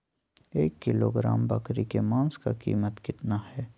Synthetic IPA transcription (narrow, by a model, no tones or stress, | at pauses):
eːkːɪloɡɾa̰ːmbəkɾikemãːnska̰kḭːmət̪kɪt̪nahɛː